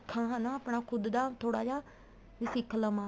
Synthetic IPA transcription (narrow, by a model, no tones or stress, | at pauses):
kʰːãːɦãnãːəːpɳaːkʰʊd̪d̪aːt̪ʰoːɽaːd͡ʒaː | ɪsɪkʰləmãː